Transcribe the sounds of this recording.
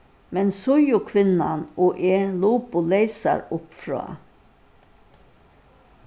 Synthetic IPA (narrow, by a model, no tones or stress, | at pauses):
mɛnsʊjʊkʰʋɪnɑnʔoːʔeːluːpʊleɪsɑ̰ɾʊpfɾɑ̰ː